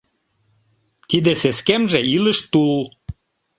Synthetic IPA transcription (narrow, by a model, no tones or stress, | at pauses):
t̪id̪eseskemʒeilə̆ʃt̪ul